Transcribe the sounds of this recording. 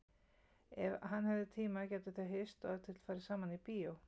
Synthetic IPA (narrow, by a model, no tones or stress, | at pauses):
ɛvhanhɛvðɪt̪ʰiːmacɛːt̪ɪθaɦɪst̪ɔðt̪ʰɪl̥faːjɾɪsaːmanipiːow